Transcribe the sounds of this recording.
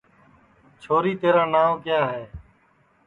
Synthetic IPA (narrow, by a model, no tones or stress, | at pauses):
t͡ʃʰoːɾiːt̪eːɾãːnaːʋkɪjaːɦeː